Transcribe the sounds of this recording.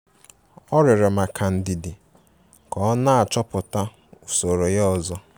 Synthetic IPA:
ɔ˦ɾɪ˨ɾɪ˨ma˨kʰa˨n̩˨dɪ˨dɪ˨ | kɔ˦na˦a˨t͡ʃɔ˦pʊ˨ta˦ | u˨so˨ɾo˨jɔ˨zɔ˦

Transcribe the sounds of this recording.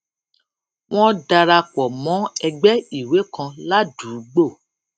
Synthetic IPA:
w̃ɔ̃˦da˧ɾa˧k͡pɔ˨mɔ̃˨˦ɛ˧ɡ͡bɛ˦i˨we˨˦kʰã˧la˦duː˨˦ɡ͡bo˦˨

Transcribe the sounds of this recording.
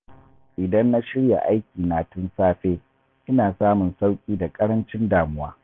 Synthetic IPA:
ʔɪ˨dɐ˦nːa˦ʃɪ˦ɽja̰˨ʔa˦jkʲiː˨naː˨tʊ˦nsaː˦ɸeː˦ | ʔɪ˦naː˨saː˦mʊ˨nsa˦wkʲʼiː˦da˨kʼɐ˦ɽɐ˦nt͡ʃɪ˦ndaː˨mʊ˦waː˦

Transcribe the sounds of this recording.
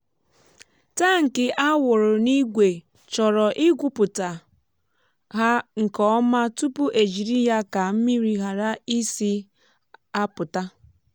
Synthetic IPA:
ta˦ŋ̩˨kɪ˦ʔa˦wʊ˨ɾʊ˨ni˦ɡʷe˨ | t͡ʃɔ˨ɾɔ˨ʔɪ˦ɡʷʊ˦pʊ˨ta˨ | ɦa˦ŋ̩˨kɔ˦ma˦tu˦pʊ˦ʔe˨d͡ʒi˨ɾi˦ja˦ka˨m̩˦mi˦ɾi˦ɦa˨ɾa˦i˦si˦ | a˦pʊ˨ta˦

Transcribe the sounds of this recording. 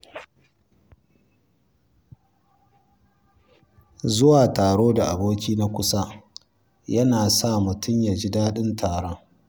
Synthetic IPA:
zʊ˦waː˨taː˨ɽoː˦da˨ʔa˨boː˦kʲiː˦na˦kʷʊ˦sa˦ | jɐ˦naː˨sa˦˨mʊ˨tʊ˦mja˨d͡ʒi˦daː˦ɗɪ˦ntʰaː˨ɽɔ˦ŋ

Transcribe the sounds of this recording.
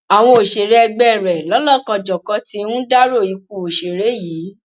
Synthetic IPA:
a˨w̃ɔ̃˧o˨ʃe˨ɾɛ˧˦ɛ˧ɡ͡bɛ˦˨ɾɛ˨lɔ˨˦lɔ˦˨kã˧d͡ʒɔ˨kɔ˨˧˦ti˧˦ũ˦da˦ɾo˦˨i˨˧˦k̚u˧˨o˨ʃe˨ɾe˨˦jiː˨˦

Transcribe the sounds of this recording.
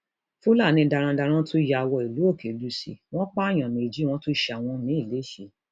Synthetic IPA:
fu˦la˦˨nĩ˧˦da˧ɾ̃ã˧da˧ɾ̃ã˦to˦ja˧˨˧wɔ˧i˨lu˨˦o˦˨kʰe˨lu˨˦si˧w̃ɔ̃˦k͡pa˦˨j̃ã˨nẽ˨d͡ʒi˨˦w̃ɔ̃˦to˦ʃa˨w̃ɔ̃˧nĩ˨˦i˦˨le˨˦˨ʃe˨

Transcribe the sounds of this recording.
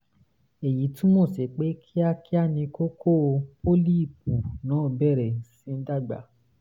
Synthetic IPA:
e˨ji˨˦tĩ˦mo˦˨se˨k͡pe˨˦kʰi˦a˧ki˦a˦˨nĩ˧ko˦kʰo˦˧po˦li˦i˦˨p̚u˨nãː˨˦˨bɛ˦˨ɾɛ˨sĩ˨˦n̩˦da˦˨ɡ͡ba̰˨˦

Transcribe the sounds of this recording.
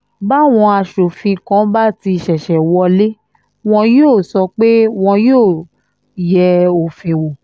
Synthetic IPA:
ba˦˨w̃ɔ̃˧a˧˨ʃo˨fĩ˧kã˨˦ba˦˨ti˧˨ʃɛ˨ʃɛ˨wɔ˧le˦ | w̃ɔ̃˧joː˦˨sɔ˧k͡pe˦w̃ɔ̃˧joː˦˨ | jɛ˧o˨fĩ˧wo˨

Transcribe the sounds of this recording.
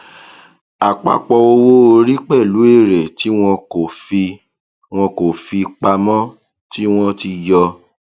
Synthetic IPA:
a˨k͡pa̰˧k͡pɔ˧o˧wo˦o˧ɾi˦k͡pɛ˦˨lu˨˦e˦˨ɾɛ˨ti˨˦w̃ɔ̃˧o˨fi˧ | w̃ɔ̃˧ko˨fi˧k͡pa˧mɔ̃˦ | ti˦w̃ɔ̃˦ti˧jɔ˧

